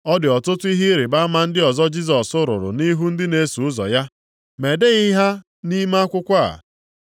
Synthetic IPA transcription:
ɔ˦dɪ˨ɔ˨tʊ˦tʊ˦i˦ɦɪ˦ɾɪ˨ba˦ma˦n̩˦dɪ˦ɔ˨zɔ˦d͡ʒi˦s̬ɔ˨sʊ˦ɾʊ̰˨ɾʊ̰˨ni˦ɦu˦n̩˦dɪ˦ne˨˦su˨ʊ˦zɔ̰˨ja˦ | me˨de˦i˦ɦa˦ | ni˦ma˦a˦kʷʊ˦kʷa˦a̰˨

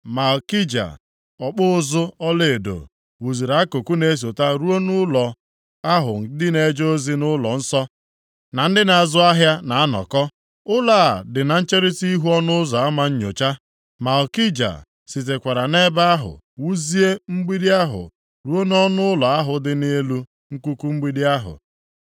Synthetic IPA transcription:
ma˨lki˦d͡ʒa̰˨ | ɔ˨k͡pʊ˦ʊ˦zʊ˦ɔ˦le˨e˨do̰˨ | wu˨zi˨ɾa˨˦a˦ko˨ku˦ne˨˦s̬o˨ta˦ɾu˦o˦nʊ˦lɔ˨ | a˦ɦʊ̰˨˦dɪ˦ne˨˦d͡ʒoo˦zi˦nʊ˦lɔ̰˨n̩˦sɔ˦ | na˨n̩˦dɪ˦na˨a˨zʊ˦a˦ɦja˦na˨a˦nɔ̰˨kɔ˦ | ʊ˦laː˦˨dɪ˨na˨n̩˦t͡ʃe˦ɾi˦ti˦ɦu˦ɔ˦nʊ˦ʊ˦zɔ˨a˦ma˦ɲ̩˦ɲo˨t͡ʃa˦ | ma˨ɔ˨ki˦d͡ʒa̰˨ | si˨t̬e˨kʷa˨ɾa˨ne˦ba˦a˦ɦʊ̰˨ | wu˦zi˦e˦ŋ͡m̩˦ɡ͡bi˦di˦a˦ɦʊ̰˨ | ɾu˦o˦n˦ɔ˦nʊ˦ʊ˦lɔ˨a˦ɦʊ˨dɪ˦ne˦e˦lu˦ | ŋ̩˦ku˦ku˦ŋ͡m̩˦ɡ͡bi˦di˦a˦ɦʊ̰˨

